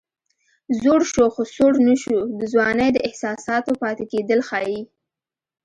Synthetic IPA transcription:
zoɽʃoxosoɽnəʃud̪əzwɑnəjd̪əɪhsɑsɑt̪opɑt̪eked̪əlxɑji

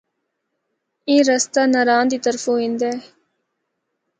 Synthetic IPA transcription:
eːɾəst̪aːnəɾaːnd̪iːt̪əɾfõːɦĩnd̪ɛː

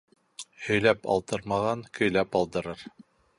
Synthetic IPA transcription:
hɵ̆jlæpɑ̰lˠt̪ɤɾmɑʁɑŋkɵ̆jlæpɑlˠd̪ɤ̆ɾɤɾ

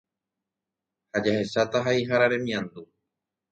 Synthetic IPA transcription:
had͡ʒahe̞ʃat̪aɦaiɦaɾaɾẽ̞mĩãnd̪u

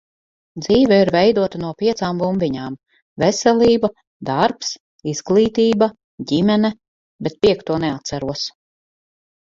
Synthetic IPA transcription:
d̪ziːvɛiɾvɛjd̪uɔt̪anuɔpʲiɛt̪saːmvumvʲiɲaːm | vɛsɛlʲˠiːba | d̪aɾps | iz̥ɡlˠiːt̪iːba | ɟʲimɛnɛ | bɛt̪̚piɛkt̪uɔneat̪sæɾuɔs

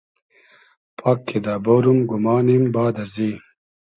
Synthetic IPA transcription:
pʰaːkːed̪abɐɾumɡumaːnimbaːd̪ɐzi

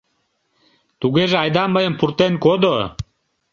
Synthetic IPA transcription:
t̪uɡeʒeajd̪aməjəmpʰuɾt̪enkod̪o

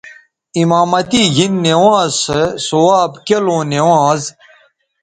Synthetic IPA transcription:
imaːmɐt̪iɡinːewãːzsesowaːbkelõːnewãːz

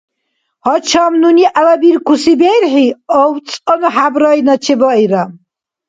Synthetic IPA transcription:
hɔt͡ʃʰamnuniʔawabiɾkʰusibɛɾħiɔwt͡sʼɔnɔħabɾɔjnat͡ʃʰɛbɔiɾam

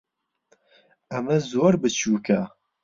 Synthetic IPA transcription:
ɐmɐzoːɾbɨt͡ʃʰuːkʰɐ

